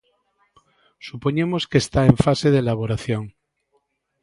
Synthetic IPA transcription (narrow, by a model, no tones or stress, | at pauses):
supo̞ɲemo̞skeːst̪aeɱfaseðelaβ̞o̞ɾaθjoŋ